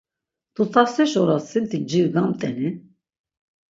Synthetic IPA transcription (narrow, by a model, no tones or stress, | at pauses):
t̪ut̪ʰasɛʃɔɾasint̪ʰid͡ʒiɾɡamt̪ʼɛni